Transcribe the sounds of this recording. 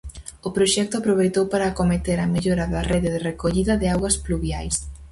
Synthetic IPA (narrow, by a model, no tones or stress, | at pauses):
ʊpɾoʃɛk̚t̪ʊapɾoβ̞ejt̪owpaɾakomet̪eɾɐmeʎoɾɐðɐreðɪðɪrekoʎiðɐðɪawɣɐspluβja̰js